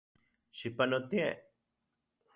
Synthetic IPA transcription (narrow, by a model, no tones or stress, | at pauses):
ʃipanõt̪ĩe